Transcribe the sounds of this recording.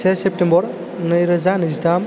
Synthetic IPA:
sesep̚ʈembɔɾ | nɯjɾəd͡ʒanisdam

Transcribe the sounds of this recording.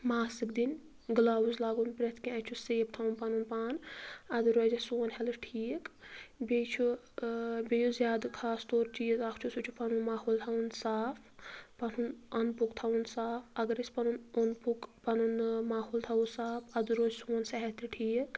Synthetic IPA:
maːsɨk̚d̪in | ɡɨlaːwuzlaːɡunpɾʲɐt̪ʰkʲĩɐt͡ʃʰuseːp̚t̪ʰɐunpɐnunpaːnɐd̪ɨɾoːzɐsuːnhɛlɨʈʰiːkbʲet͡ʃʰu | bʲejuzʲjaːd̪kʰaːst̪oːɾt͡ʃiːzakʰt͡ʃʰusut͡ʃʰupɐnunmaːɦoːlt̪ʰɐunsaːpʰpɐnunɐnpukt̪ʰɐunsaːpʰɐɡɐɾisʲpɐnunonpukpɐnunmaːɦoːlt̪ʰawusaːpʰɐd̪ɨɾoːzsuːnsɐɦɛt̪iʈʰiːk

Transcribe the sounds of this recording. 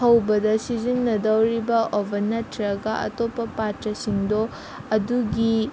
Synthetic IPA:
ɦɐwbɐdɐsizinːɐdɐwɾibɐʔobʱɐnːɐtɾɐɡɐʔɐ̰topːɐpatɾɐsiŋdo | ɐduɡi

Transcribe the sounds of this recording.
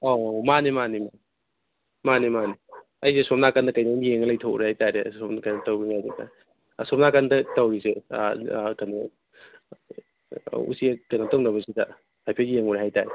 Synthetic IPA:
omanimanimani | manimani | ɐjsesɔp̚nakandɐkajnamieŋɐlɐjtʰouɾehajtaɾesɔpnakanɐtawbiŋajdeknɐ̰ | sɔp̚nakandɐtawɾisḛ | kana | ṵsiɐkajnatoŋnɐbɐsidɐ | hajpʰejeŋuɾeɦajtaɾe

